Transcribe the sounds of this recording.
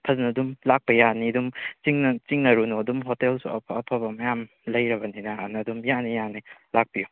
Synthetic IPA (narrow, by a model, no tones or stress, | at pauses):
pʰɐznɐdumlak̚pɐjanidumt͡ʃiŋnɐt͡ʃiŋnɐɾunoɐdumɦotelsuɐ̰pʰːpʰɐbɐmɐjam | lɐjɾɐbɐninɐːnɐdumjanijanilak̚piju